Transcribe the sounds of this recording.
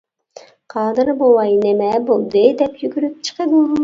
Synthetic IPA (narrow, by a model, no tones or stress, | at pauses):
qʰɑːd̪ɨɾbowˠɑjnemɛbolˠd̪ɨd̪ɛpjyɡʲyɾyp̚t͡ʃʰə̥qəbu